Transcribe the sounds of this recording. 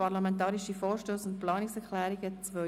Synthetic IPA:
ɑʁlamɛntɑːɾiʃifɔːɾʃtoːsʊntplɑːniksɛɾklɛːɾiɡət͡sʋœ

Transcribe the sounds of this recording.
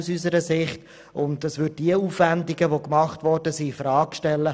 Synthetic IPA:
usysəɾəsɪχt | ʊndəsʋʏd̚d̥iəuːfvændiɡəʋokmɑχtvɔɾdəsifɾɑːkʃtɛlːə

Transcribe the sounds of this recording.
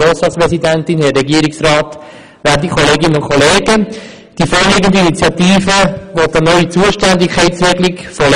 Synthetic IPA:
oːstɑtspɾɛsidæntɪnhɛɾɛɡiəɾɪksrɑːt̪ | ʋæɾdikʰɔleːɡɪnənʊnkʰχʰɔleːɡə | d̥ifoːɾlɪɡəndəinit͡sjɑt̪iːfəʋodənœɥit͡suəʃtænd̪ɪkʰːɛɪtsʋɪklɪkfɔl

